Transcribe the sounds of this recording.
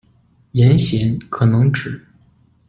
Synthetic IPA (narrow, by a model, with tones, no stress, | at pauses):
jɛ˧˥nɕjɛ˧˥nkʰɤ˨˩nɤ˧˥ŋʈ͡ʂɻ̩˨˩˦